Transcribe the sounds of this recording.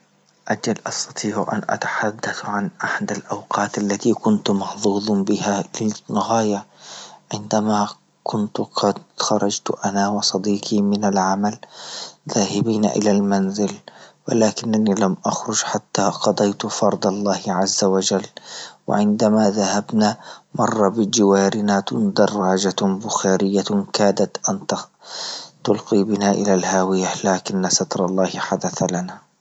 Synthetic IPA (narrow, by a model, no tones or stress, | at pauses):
ʔad͡ʒalʔɑst̪ɑ̥t̪ˤiːʕʔa̰nʔa̰t̪ḁħad̪ːaθʕanʔaħad̪alʔawqɑːt̪ʔalːat̪ikʊnt̪mɑħðˤuːd̪ˤbɪhalɪnːɪɣaːjaʕɪnd̪ama | kʰʊnt̪qʰɑd̪xɑɾˤɑd͡ʒt̪ʔanawɑsˤɑd̪iːqʰimɪnalʕamalðaːhɪbiːn̰ʔɪ̰lalmanzɪlwɪ̰laːkɪnːaniːlamʔaxɾʊd͡ʒħat̪ːaːqɑd̪ˤɑjt̪fɑɾˤd̪ˤɑlˤːɑːhɪʕazːawad͡ʒalːwɪ̰ʕɪnd̪amaːðahabnaːmɑrˤːɑbɪd͡ʒɪwaːɾɪnaːd̪ɑrˤːɑːd͡ʒabʊxaːɾɪjːakaːd̪at̪ʔant̪ | t̪ʊlqiːbɪnaːʔɪlalɦaːwɪjalaːkɪnːasɑt̪ɾˤɑlˤːɑːhɪħad̪aθlanaː